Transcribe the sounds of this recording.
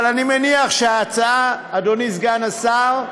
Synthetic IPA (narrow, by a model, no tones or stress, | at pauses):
lanimeniaχʃeaːt͡saaːdonisɡanasaʁ